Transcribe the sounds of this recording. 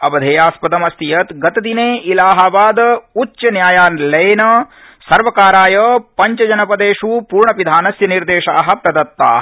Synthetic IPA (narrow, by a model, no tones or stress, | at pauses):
ɐbɐd̪ʱeːjaːspɐd̪ɐmɐst̪ijɐt̪ɡɐt̪ɐd̪ineːʔilaːɦaʋaːd̪utːt͡ʃɐnjaːjaːnlɐjnɐ | sɐɾʋɐkaːɾaːjɐpɐɲt͡ʃɐd͡ʒɐnɐpɐd̪eːʂupuːɾɳɐpid̪ʱaːnɐsjɐniɾd̪eːʃaːɦɐ̆pɾɐd̪ɐt̪ːa̰ː